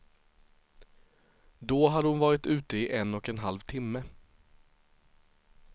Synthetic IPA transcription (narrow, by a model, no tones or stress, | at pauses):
d̪oɦad̪əhʊnvɑːɾɪt̪ʉ̟ːt̪əɪʔɛnːɔkɛnɦalvt̪ʰɪmːə